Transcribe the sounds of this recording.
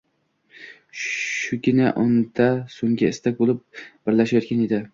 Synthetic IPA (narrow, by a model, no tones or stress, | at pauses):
ʃʊɡʲɪnaʔond̪asoŋɡʲaɪst̪ʰak̚ʲbolˠɪp̚b̥ɪɾlaʃajɒt̪kʲaned̪ɪ